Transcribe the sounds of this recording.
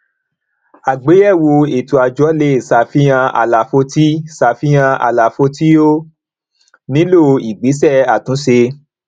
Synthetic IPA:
a˨ɡ͡be˨˦ɛ˦˨wo˧e˨tu˧a˧d͡ʒɔ˨˦le˦˨sa˨fi˦j̃ã˧ʔa̰˨la˨fo˧ti˦sa˨fi˦j̃ã˧ʔa̰˧˨la˨fo˧ti˦o˦ | nĩ˦lo˦˨˧i˨ɡ͡bi˨˦s̬ɛ˦˨a˨tũ˨˦se˧

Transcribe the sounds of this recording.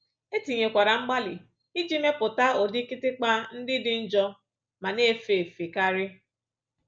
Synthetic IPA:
e˦ti˨ɲe˨kʷa˨ɾa˨ŋ͡m̩˦ɡ͡ba˦lɪ̰˨ | i˦d͡ʒi˦me˦pʊ˨ta˦o˨di˦kɪ˦tɪ˦k͡pa˦n̩˦dɪ˦dɪ˦n̩˦d͡ʒɔ˦ | ma˨ne˦fe˨fe˨ka˦ɾɪ˦

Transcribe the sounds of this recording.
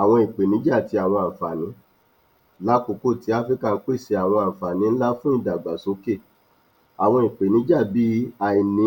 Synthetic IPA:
a˨w̃ɔ̃˧i˨k͡pe˨nĩ˨˦d͡ʒa˦˨ti˧a˨w̃ɔ̃˧a˨fa˨nĩ˨˦ | la˦ko˧˨ko˦˨ti˨˦a˦fɾi˦ka˦˨n̩˦k͡pe˦˨se˨˧a˨w̃ɔ̃˧a˨fa˨nĩ˨˦n̩˦la˦fũ˦i˦˨da˨ɡ͡ba˨so˨˦ke˦˨ | a˨w̃ɔ̃˧i˨k͡pe˨nĩ˨˦d͡ʒa˦˨bi˨˦a˧˨i˨nĩ˨˦

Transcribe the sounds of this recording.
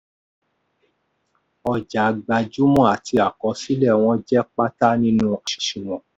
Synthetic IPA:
ɔ˨d͡ʒa˨ɡ͡ba˧˨d͡ʒu˦mɔ̃˦˨a˨ti˧a˨kɔ˨˧˦si˦lɛ˦˨w̃ɔ̃˧d͡ʒɛ˦k͡pa˦ta˦nĩ˦nũ˦a˨ʃi̥˨ʃi˨w̃ɔ̃˨

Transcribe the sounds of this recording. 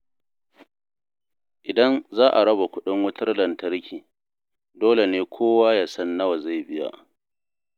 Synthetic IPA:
ʔɪ˨dɐ˦nzaː˦ʔa˨ɽɐ˦ba˨kʷʊ˦ɗɪ˦ŋwʊ˦tɐ˦rlɐ˨ntɐ˦ɾkʲiː˨ | doː˦le˨neː˦kʷʰoː˦waː˦jaː˨sɐ˦nːɐ˦wa˨za˦˨jbɪ˦ja̰˦˨

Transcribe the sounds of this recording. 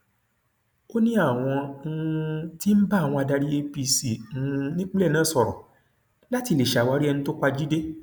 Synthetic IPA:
o˦nĩ˦a˦˨w̃ɔ̃˧˦˧ | ti˦m̩˦ba˦˨w̃ɔ̃˧a˧da˧ɾi˦e˧˦pi˧si˨˦˧nĩ˦k͡pe˦lɛ˦˨nãː˨˦sɔ˨ɾɔ̰̃˨ | la˦ti˨˧˨le˨ʃa˨wa˨˦ɾi˦ɛ˧nũ˦to˦ka˧d͡ʒi˦de˦

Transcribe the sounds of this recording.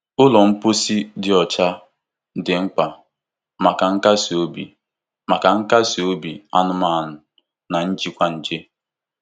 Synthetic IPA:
ʊ˦lɔ˨m̩˦po˦si˦dɪ˦ɔ˨t͡ʃa˦ | dɪ˨ŋ͡m̩˦k͡pa˨ | ma˨ka˨ŋ̩˦ka˦si˨o˦bi˨ | ma˨ka˨ŋ̩˦ka˦si˨o˦bi˨a˦nʊ˦ma˦˨nʊ˦ | na˨n̩˦d͡ʒi˦kʷa˦n̩˨d͡ʒe˦

